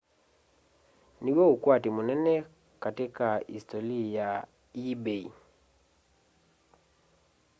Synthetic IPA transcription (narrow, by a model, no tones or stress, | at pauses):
niwoukwatimunɛnɛ | katikaḭstolija | ibei